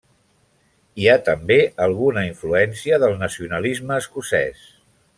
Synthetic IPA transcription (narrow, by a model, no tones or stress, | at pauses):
iat̪əmbeʔəlˠɣunəiɱfluɛnsiəðəlˠnəsiunəlizməːskusɛ̰s